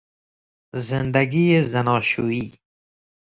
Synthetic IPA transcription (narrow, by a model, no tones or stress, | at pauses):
zɪnd̪aɡijezanɑːʃuiː